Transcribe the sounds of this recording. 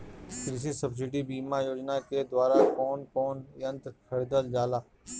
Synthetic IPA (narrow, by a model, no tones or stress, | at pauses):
kɾis̬isəbs̬ɪɖibiːmajoːd͡ʒnaked̪waːɾakɔːnkɔːnjɐ̃nt̪kʰəɽid̪əld͡ʒaːlaː